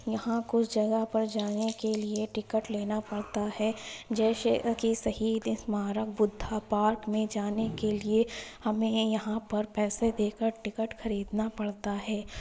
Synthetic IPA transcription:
jɐɦãkʊt͡ʃʰd͡ʒɐɡəɦpɐɾd͡ʒaːnekelieʈɪkəʈleːnapɐɽt̪aɦɛːd͡ʒɛːsekisɐhiːd̪ɪsmaːɾək̚bʊd̪ʱːapaːɾkmẽd͡ʒaːnekeliehɐmẽjɐɦãpɐɾpɛːsed̪eːkəɾʈɪkəʈxɐɾiːd̪napɐɽt̪aɦɛː

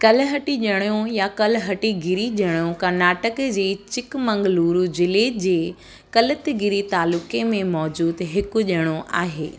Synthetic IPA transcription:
kɐlɦɐʈiʄɐɽ̃jõjakɐlɦɐʈiɡɪɾiʄɐɽ̃jõkɐɾnaːʈəkd͡ʑeːt͡ɕɪkmɐ̃ŋɡluːɾud͡ʑɪled͡ʑeː | kɐlət̪ɪɡɪɾit̪aːlʊkemẽmɔːd͡ʑuːd̪ɦɪkʊʄɐɽ̃oʔa̰ːɦḛː

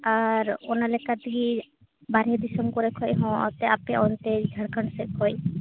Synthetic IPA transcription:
aɾɔnalɛkat̪ɡi | baɾied̪isɔmkɔɾɛkʰɔjɦɔ̃ɔ̰t̪ɛapeɔnt̪eiɡʱəɽkʰəɳɖsɛkʰɔj

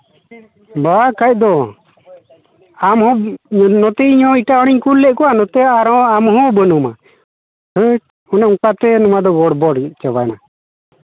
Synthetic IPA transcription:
bakajc̚d̪ɔ | amhɔnɔt̪ɛɲɔ̃iʈaɔɽiɲkulːɛʔ̚kɔwanɔt̪ɛaɾɔ̃amɦɔ̃bənɔma̰ | hʰəʈ̚ | ɔnɛukat̪ɛnumad̪ɔɡɔɽbɔɽ̚t͡ʃəbajna

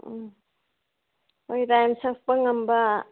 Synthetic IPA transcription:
ojɾajmsɐk̚pɐŋɐmbɐ

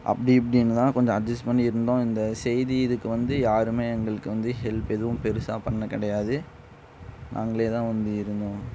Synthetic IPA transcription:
ʔɐ̰pːɐɽiɐp̬ːɐɽɪjnːɯt̪ãːkɔɲd͡ʒɔ̃ɐd͡ʒɐsʈpɐɳːɪɾɯnd̪õːɪnd̪ɐsɛjðiɪðɯkːɯʋɐnd̪ɯjaːɾɯmeːɛŋɡɐɭɯkːɯʋɐnd̪ɯhɛlpɛðɯʋʊ̃mpɛɾɯsaːpɐɳːɐkːɪɽɐjaːðɯ | nʔa̰ːŋɡɐɭeːt̪ãːʋɐnd̪ɯɪɾɯnd̪õː

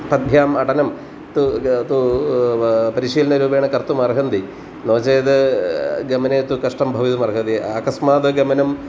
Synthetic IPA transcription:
pɐd̪̚bʱjaːmɐʈɐnɐm | t̪ut̪u | pɐɾiʂiːlɐnɐɾuːbeːɳɐkɐrt̪umɐrɦɐnd̪i | noːt͡ɕeːd̪ɨɡɐmɐneːt̪ukɐʂʈɐmbʱɐʋit̪umɐrɦɐnd̪iɐkɐsmaːt̪ɨɡɐmɐnɐm

